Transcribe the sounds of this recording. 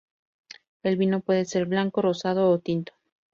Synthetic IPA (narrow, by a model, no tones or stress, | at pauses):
e̞lβino̞pwe̞ðese̞ɾβlaŋko̞rosað̞o̞ːt̪int̪o̥